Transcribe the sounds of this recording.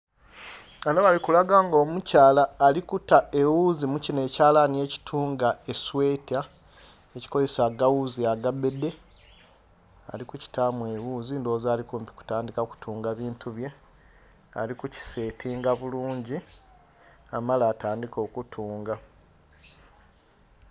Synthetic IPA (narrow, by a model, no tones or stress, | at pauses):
anoβalikulaɡaːŋɡo̞ːmucaːlaːlikutae̞wuːzimucine̞ːcaːlanie̞ci̥tʰuːŋɡaeswe̞ːta | eci̥ko̞ze̞saɡawuziaɡabe̞de̞ | a̰likuci̥tamwe̞wuːzindo̞ːzaːlikumpi̥ku̥taːndikaku̥tuːŋɡaβiːntʰuβje̞ | a̰likuci̥se̞ːtʰiːŋɡaβuluːɲɟi | amalaːtaːndiko̞ːkutʰuːŋɡa